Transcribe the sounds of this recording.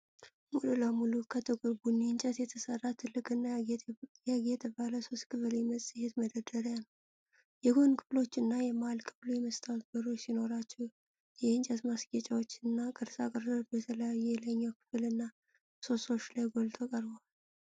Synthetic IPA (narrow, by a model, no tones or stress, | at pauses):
mululəmulukʰət̪ʰəɡʼoɾbunːiɨnt͡ʃʼɛt̪jɛt̪ʰəsərːat̪ʰɨlːɨkʼɨnːajaɡɛt̪ʰəβaləso̞st̪kʰɨfɨljɛməsʼɨhet̪məd̪əd̪əɾjanəw | jɛɡo̞nkʰɨflo̞t͡ʃːɪnːajɛmalkʰɨβlujɛməst̪ʰʼawt̪̚bəɾo̞t͡ʃːsino̞ɾat͡ʃːɛh | jɛɨnt͡ʃʼɛt̪masɡet͡ʃʼawot͡ʃːɨnːakʼɨɾsakʼɨɾdotbət̪ʰələjajːɛləɲːakʰɨ̥fɨlɨnːa | so̞so̞t͡ʃlajɡo̞lt̪ʼokʼəɾbəwal